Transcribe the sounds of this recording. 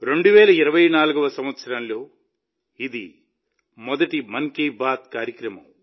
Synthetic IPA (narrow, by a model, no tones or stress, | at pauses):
ɾe̞ɳɖuʋɛːlɐiɾɐʋɐjnaːluɡɐʋɐsɐmʋɐt̪sɐɾɐnlo̞ː | id̪i | mɔd̪ɐʈimɐŋkiːbʱaːt̪̚kaːɾjɐkɾɐmɐm